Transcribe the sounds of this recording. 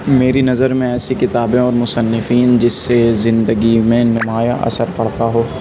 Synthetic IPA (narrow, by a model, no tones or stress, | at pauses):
meːɾinɐzəɾmẽɛːsikɪt̪aːbẽɔːɾmʊsənːɪfiːnd͡ʒɪsːezɪ̃nd̪əɡimẽnʊmaːjaʔɐ̰səɾpɐɽ̤t̪aɦoː